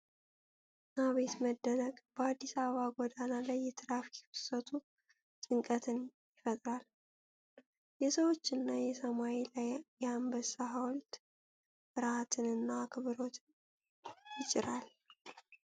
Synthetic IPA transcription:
naβe̞t̪məd̪ːənəɡb̥əad̪ːisaβəβaɡʷɔd̪analajːɛt̪ʰɨɾafjɪfɨ̥sət̪ʰu | t̪ʼɨŋkʼət̪ʰɨnjɪfət̪ʼɾal | jɛsəwo̞t͡ʃːɨnːajɛsəmaelajjambəsaɦawɔlt̪ | ʔɨɾat̪ʰɨnɨnːakʰɨβɨɾo̞t̪ʰɨn | jɪt͡ʃʼɪɾal

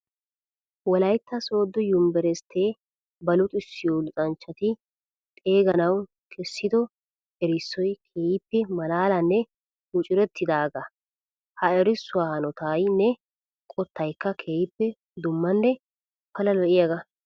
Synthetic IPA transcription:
wɔlɐjt̪ːɐso̞ːd̪ːɔjʊmbɛɾɛst̪ʰeː | bɐlʊt̪ʼɪsːɪjolʊt͡sʼɐnt͡ʃːɐt̪ɪ | t̪ʼe̞ːɡɐnɐw | kʰɛsːɪd̪ɔ | ɛɾɪsːɔjkʰeːjɪpːɛmɐlaːlɐnːɛ | ʊt͡ʃʼɪɾɛt̪ːɪd̪aːɡɐ | hɐɛɾɪsːʊwaːhɐnɔt̪ajnɛ | kʼɔt̪ːɐjkːɐkʰejɪpːɛ | d̪ʊmːɐnːɛ | pɐlɐlɔʔɪjɐɡɐ

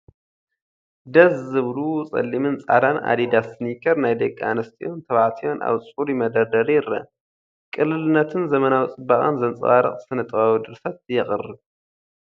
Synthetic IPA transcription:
d̪ɐszːɨβlut͡sʼɐ̰lːimɨnt͡sʼa̰d̪ana̰d̪id̪assɨnikʰɐɾnajd̪ɐkʼːa̰nɐst̪ʰiʔont̪ʰɐβaʕt̪ʰijo̞nʔa̰βt͡sʼuɾimɐd̪ɐd̪ɐɾjɪɾɐ̰ | kʼɨlːɨlɨnːɐt̪ʰɨnzɐmɐnawit͡sʼɨbaχʼɐ̰nzɐnt͡sʼwaɾɨ̰χʼsɨnɐt̪ʼɐβawd̪ɨɾsɐt̪̚jɛχʼɨrːɨ

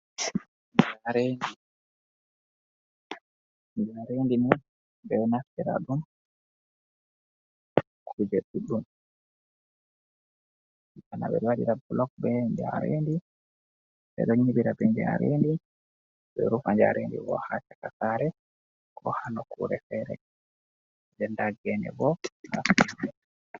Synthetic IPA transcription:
ɲd͡ʒaɾendi | ɲd͡ʒaɾendini | bɛwnastɛɾa̰ɗum | kʰud͡ʒɛɗuɗun | ana̰bɛ̰ɾwaɗiɾabulɔk̚bɛɲd͡ʒaɾḛndi | bɛ̰ɗɔɲibiɾabɛɲd͡ʒa̰ɾendi | bɛɾufaɲd͡ʒa̰ɾʔendḭwɔ̰hat͡ʃakasaɾɛ | kʰɔ̰hanɔkʰṵɾɛ̰fɛɾɛ̰ | d͡ʒɛndaɡɛnɛ̰bɔna̰stiaɛ

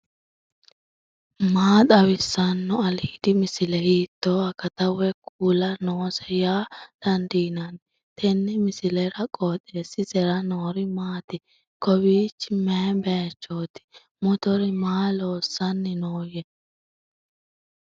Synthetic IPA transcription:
maːt̪ʼɐwɪsːɐnːɔɐlhɪd̪ɪmɪsɪlɛhiːt̪ːoːɐkːɐt̪ɐwɛkʰuːlɐnoːsɛjaːd̪̥ɐnd̪iːnɐn | t̪ʰɛnːɛmɪsɪlɛɾɐkʼoːt̪ʼeːsɪsɛɾɐnoːɾɪmaːt̪ɪ | kɔbiːt͡ʃːɪmeːbeːt͡ʃːoːt̪ɪ̥ | mɔt̪ɔɾɪmaːloːsːɐnːɪnoːjɛ

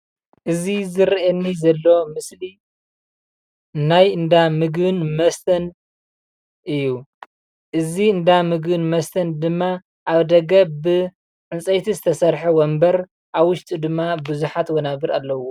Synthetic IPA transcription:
ʔɨzizɨɾʔenːizɐlːo̞mɨsli | najɨnd̪amɨɡbɨnmɐst̪ʰɐn | ʔɨjːu | ʔɨziɨnd̪amɨɡbɨnmɐst̪ʰɐnd̪ɨmːa | ʔaβd̪ɐɡɐbɨ | ʕɨnsʼɐjt̪ʰizɨt̪ʰɐsɐɾħɐwombɐɾ | ʔaβwʊʃt̪ʼid̪ɨmːabɨzuħat̪wɔnaβɨɾalːɐwo

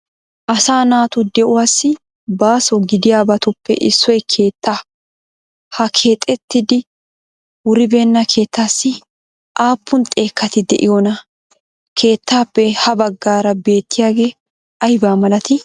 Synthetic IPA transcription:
ʔɐsaːnaːt̪ʊd̪ɛʔʊwaːsːɪ | baːsɔɡɪd̪ɪjaːbɐt̪ʊpːɛ̰ʔɪsːɔjkʰe̞ːt̪ːa | hɐkʰe̞ːt̪ʼːɛt̪ːɪd̪ɪ | wʊɾɪbe̞ːnːɐkʰe̞ːt̪ːaːsːɪ | ʔaːpʰːʊnt̪ʼe̞ːkːɐt̪ɪd̪ɛ̰ʔɪjɔnɐ | kʰe̞ːt̪ːaːpːɛhɐbɐɡːaːɾɐbe̞ːt̪ːɪjaːɡe̞ː | ɐjbaːmɐlɐt̪ɪ

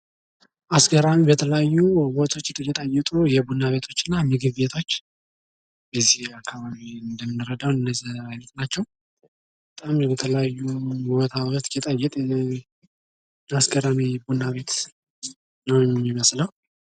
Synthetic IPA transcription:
ʔasɡəɾamibət̪ʰələjajːuwot̪ʰo̞t͡ʃːt̪ʼjɛt̪ʼəjɪt̪ʼujɛbunːaβe̞t̪ʰo̞t͡ʃːɨnːamɨɡɨβbe̞t̪ʰo̞t͡ʃː | bəzːihakʰːaβaβiɨnd̪əmɨnːɨɾəd̪awnɨnːəzajnət̪nat͡ʃːɛw | bət̪ʼamjɛt̪ʰələjajːuwɔt̪ʰawt̪jɛt̪ʼəjːɛt̪ʼ | asɡəɾamibunːaβe̞t̪ | nəwjɛmːiməsləw

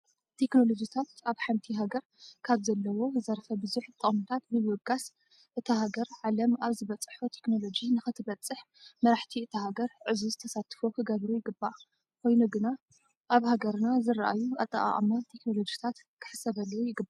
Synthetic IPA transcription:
t̪ʰe̞kno̞lod͡ʒit̪ʰat̪aβħant̪ʰiɦaɡɐɾ | kʰaβzɐlːɐwo̞zɐɾfɐbɨzuħt̪ʼɨχʼmut̪ʰat̪nɨwɔɡas | ʔɨt̪ʰɐɦaɡɐɾʕalɐmaβzɨβɐt͡sʼħut̪ʰe̞kno̞lo̞d͡ʒinɨxɨt̪ʰɨβɐt͡sʼɨħ | mɐɾaħt̪ʰiɨt̪ʰɐɦaɡɐɾʕɨzuzɨt̪ʰɐsat̪ʰfokʰɨɡɐβɾujɪɡɨbːa | kʰo̞jnuɡɨna | ʔaβhaɡɐɾnazɨɾaʔa̰juʔɐ̰t̪ʼːɐʔʼa̰ʔʼa̰mat̪ʰe̞kno̞lo̞d͡ʒit̪ʰat̪ | kʰɨ̥ħɨ̥sɐβɐlːujɪɡɨba

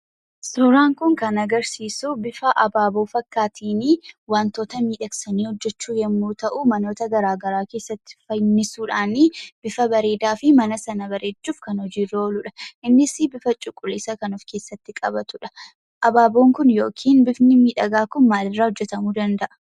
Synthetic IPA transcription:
sɔɾaːŋkʊŋkɐnɐɡɐɾsiːsʊbɪfɐʔɐbaːbo̞ːfɐkːaːt̪ʰiːniwaːnt̪o̞ːt̪ɐmiːᶑɐksɐniːhɔd͡ʒːɛt͡ʃːuːjɛmːuːt̪ɐʔʊmɐno̞ːt̪ɐɡɐɾaːɡɐɾaːke̞ːsːɐt̪ːɪ̥fɐjnːɪsuːᶑaːnib̥ɪfɐbɐɾe̞ːd̪aːfɪmɐnɐsɐnɐbɐɾeːt͡ʃːuːfkɐnhɔd͡ʒiːrːɐɔlʊᶑɐ̥ʔɪnːɪsɪbɪfɐt͡ʃʼʊkʼːʊliːsɐkɐnʊfke̞ːsːɐt̪ːɪkʼɐbɐt̪ʊᶑɐ̥ | ʔɐbaːbo̞ːŋkʊnjo̞ːkʰiːnbɪfnɪmiːᶑɐɡaːkʊnmaːlɪrːaːhɔd͡ʒːɛt̪ɐmuːd̪ɐnd̪ɐʔɐ̥

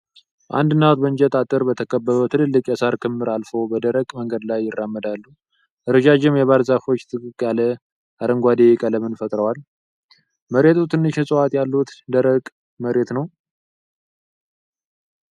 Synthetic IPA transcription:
ʔa̰nd̪ɨnːat̪bəɲd͡ʒɛt̪ʼat̪ʼɨɾbət̪ʰəkʰəbːəβət̪ʰɨlɨlːɨkʼjɛsaɾkʰɨmːɨɾalfo̞bəd̪əɾəkʼməŋɡəd̪lajːɪrːamːəd̪alːu | ʔɨɾɨd͡ʒad͡ʒɪmjɛβaɾzafo̞t͡ʃːt̪ʰɨkʼɨkʼːalə | ʔaɾəŋɡʷad̪ekʼələmɨnfət̪ʼɾəwal | məɾet̪ʰut̪ʰɨnːɨʃɛsʼɨwat̪jalːut̪d̪əɾəkʼ | məɾe̞t̪nəw

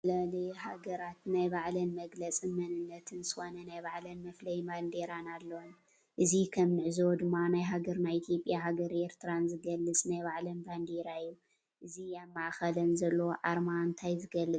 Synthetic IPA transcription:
lalejhaɡɐɾat̪najbaʕlɐnmɐɡlɐt͡sʼɨmɐnɨnːɐt̪ʰɨnzɨxo̞nɐnajbaʕlɐnmɐflɐjmand̪eɾanalːɐwon | ʔɨzikʰɐmnɨʕzowd̪ɨmːanajɦaɡɐɾnajit̪ʰjo̞pʼːjaɦaɡɐɾeɾt̪ʰɨɾanzɨɡɐlːɨt͡sʼnajβaʕlɐnband̪eɾaɨjːu | ʔɨziaβmaʕxɐlɐnzɐlːɐwoʕaɾmaɨnt̪ʰajzɨɡɐlːɨ

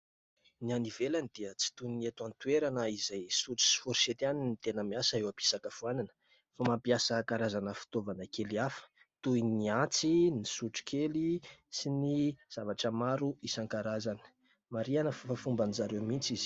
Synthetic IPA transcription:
nianivelanid̪̥iət͡si̥t̪uniet̪want̪ueɾanəizajsuʈ͡ʂi̥si̥fuɾiset̪ianinit̪enəmiasəewabi̥sakafuananə̥ | famapiasəkaɾazanəfi̥t̪ovanəkeliafə̥ | t̪uiniant͡sinisuʈ͡ʂi̥kʰelisiniz̥avaʈ͡ʂəmaɾuisaŋkaɾazanə̥ | maɾianəfafumbanizaɾewmint͡siz̥

